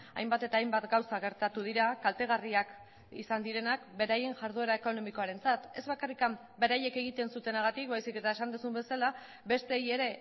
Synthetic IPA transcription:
a̰jmbat̪e̞t̪aːjmbat̪ɡawsaɣ̞e̞ɾt̪at̪uð̞iɾakalt̪e̞ɣ̞ariak | ḭsand̪iɾe̞nakbe̞ɾaje̞nʝaɾð̞ue̞ɾae̞ko̞no̞miko̞aɾe̞nt͡sat̪e̞zβakarikam | be̞ɾaje̞ke̞ɣ̞it̪e̞nsut̪e̞naɣ̞at̪ik̚bajsike̞t̪ae̞sand̪usumbe̞sala | be̞st̪e̞ːje̞ɾe̞

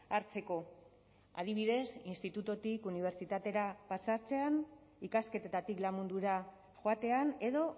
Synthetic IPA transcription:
aɾt͡se̞ko̞ | a̰ðiβ̞iðe̞sinst̪it̪ut̪ot̪ikuniβ̞e̞ɾt͡sit̪at̪e̞ɾapasaɾt͡se̞an | ikaske̞t̪et̪at̪iklamund̪uɾa | ʝoat̪e̞ane̞ðo̞

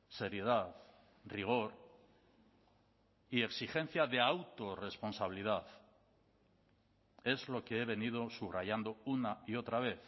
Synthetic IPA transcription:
se̞ɾje̞ð̞aθ | riɣ̞o̞ɾ | ieksixe̞n̟θjaðe̞awt̪o̞re̞spo̞nsaβiliðaθ | e̞zlo̞ke̞e̞β̞e̞nið̞o̞suβraʝand̪o̞unaio̞t̪ɾaβ̞e̞θ

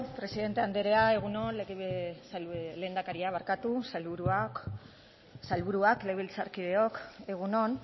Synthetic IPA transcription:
pɾe̞siðe̞nt̪e̞and̪eɾeae̞ɣ̞unonleɣisle̞ːnd̪akaɾiaβaɾkat̪usaluɾua | salβuɾuakleβilt͡saɾkiðeo̞ke̞ɣ̞uno̞n

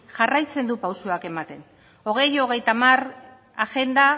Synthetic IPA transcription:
ʝarajt͡se̞nd̪upawsuake̞mat̪e̞n | o̞ɣ̞e̞jo̞ɣe̞jt̪amar | axe̞nd̪a

